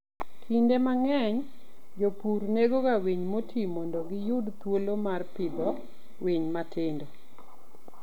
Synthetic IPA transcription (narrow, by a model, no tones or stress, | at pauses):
kʰindemaŋɛɲ | d͡ʒopuɾneɡokawiɲmotʰimɔndoɡɪjʊdt̪wolomarpɪd̪ɔ | wiɲmatɪndo